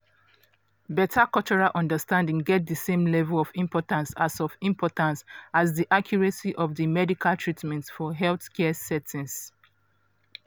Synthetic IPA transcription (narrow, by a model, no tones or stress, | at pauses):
bɛtʰakɔt͡ʃɔɹalʔɔ̃ndəstãndĩŋɡɛt̚dəsẽmlɛvəlɔfĩmpɔtãnsasɔfĩmpʰɔtãnsazðiʔakʰjɔɹəsiʔɔvðəmɛdikʰaltʰɹitmɛ̃ntfɔɦɛlθkɛsɛtʰĩns